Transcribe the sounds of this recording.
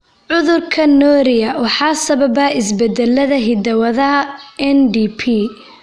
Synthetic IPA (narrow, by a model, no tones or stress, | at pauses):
ʕʊðʊrkʰɐnɔːɾɪjɐwɑħɑːsɐβɐbɐːɪsbɛd̪ɛlːɐðɐɦɪd̪ɐwɐðɐɦɐɛnd̪ipʰiː